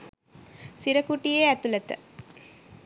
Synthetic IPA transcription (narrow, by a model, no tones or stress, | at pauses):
siɾəkuʈijeæt̪ulət̪ə̰